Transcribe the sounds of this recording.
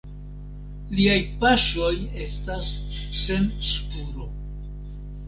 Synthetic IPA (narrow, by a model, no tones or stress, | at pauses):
liajpaʃo̞je̞stasːe̞nspuɾo̞